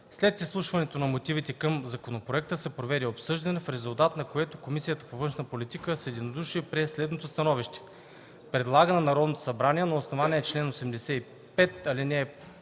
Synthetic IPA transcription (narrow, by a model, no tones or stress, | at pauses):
slɛt̪islˠuʃvɐnɛt̪onɐmot̪ivit̪ɛkɤmzɐkonopɾoɛk̚t̪əsɛpɾovɛɾiopsɤʒd̪ɐnɛfɾɛzulˠt̪at̪nɐkoɛt̪okomisijət̪ə̥povɤnʃnɐpolit̪ikəsɛd̪inod̪uʃipɾɛslɛd̪not̪ost̪ɐnɔviʃt̪ɛ̥ | pɾɛd̪lˠaɡənɛnɐɾɔd̪not̪o̥sɐbɾaniɛnɐosnovanʲiɛːt͡ʃlɛnosɛmd̪ɛsɛi | pɛt̪ɐlinɛ